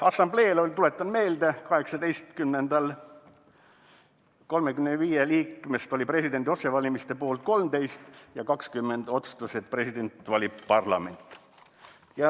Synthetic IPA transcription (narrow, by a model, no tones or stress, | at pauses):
ɑsːɑmble̞ːlolʲt̪ule̞t̪ːˑɑnme̞ːld̪̥ekɑhe̞ksɑd̪e̞jst̪kymnend̪ɑl | ko̞lmekymneviːjeliːkːˑme̞st̪o̞lʲipre̞sʲid̪̥e̞nd̪io̞se̞vɑlʲimist̪epo̞ːlt̪̚ko̞lmt̪e̞jst̪jɑkɑkskymːe̞nd̪o̞t̪su̥t̪use̞t̪̚pre̞sid̪e̞nt̪ːˑvɑlʲippɑrlɑ̰me̞nt̪ːˑ | jɑ